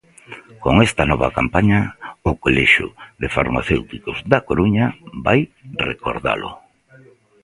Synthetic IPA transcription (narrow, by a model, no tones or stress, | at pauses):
koŋɛst̪ɐnɔβɐ̰kampaɲɐʊkolɛʃʊ̰ðɪfa̰ɾma̰θewt̪ikʊzðakoɾuɲɐba̰jrḛko̰ɾða̰lʊ̰